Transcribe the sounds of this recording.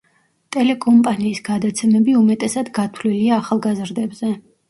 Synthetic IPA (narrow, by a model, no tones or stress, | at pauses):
t̪ʼɛlɛkʼɔmpʼaniːsɡad̪at̪sʰɛmɛbiumɛt̪ʼɛsad̪ɡat̪ʰvliliaːχalˠɡazɾd̪ɛbz̥ɛ